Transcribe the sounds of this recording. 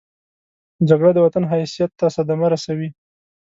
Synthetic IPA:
d͡ʒaɡɽad̪əwat̪anɦajsijat̪ːasad̪amaɾasawi

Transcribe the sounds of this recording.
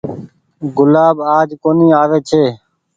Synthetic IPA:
ɡʊlaːbaːd͡ʒkoːnĩːaːʋeːt͡ʃʰeː

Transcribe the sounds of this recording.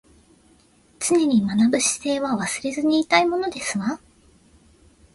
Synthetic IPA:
t͡sɨne̞ɲ̟imanabɯ̟ɕi̥se̞ːβaβasɨɾe̞zɨɲ̟iːt̪aimo̞no̞d̪e̞sɨβa

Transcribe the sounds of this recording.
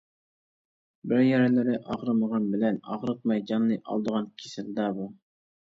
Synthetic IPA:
bɪɾjɛɾɛlɪɾɪʔɑʁɾɨməʁɑnbɪlænɑ̰ʁɾəq̪̚mɑjd͡ʒɑnːɨjʔɑ̰lˠd̪əʁɑnkʲʰisɪld̪ɑbu

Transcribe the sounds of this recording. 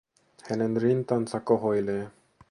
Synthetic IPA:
hɛnɛnɾint̪ansakɔɦojle

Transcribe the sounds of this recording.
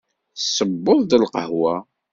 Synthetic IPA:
θsːəbːoðˤd̪əlqə̰ɦwæ

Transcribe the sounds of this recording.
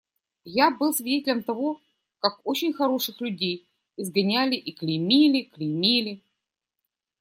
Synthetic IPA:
jabɨlˠsvʲɪdʲetʲɪlʲəmt̪ɐvo̞ | kakot͡ɕɪnʲxɐɾo̞ʂɨxlʲʉdʲej | ɪzɡɐnʲælʲɪʔiklʲɪmʲilʲɪklʲɪmʲilʲɪ

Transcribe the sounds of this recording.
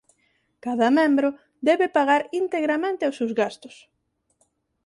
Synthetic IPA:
kaðɐmẽmbɾʊ | d̪ɛβepaɣaɾint̪eɣɾamẽnt̪ɪosewzɣast̪ʊ̥s

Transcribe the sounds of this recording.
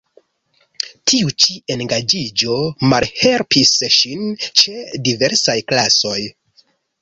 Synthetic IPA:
tʰiut͡ʃie̞nɡad͡ʒid͡ʒo̞malhe̞lpisʃint͡ʃe̞dive̞ɾsajklaso̞j

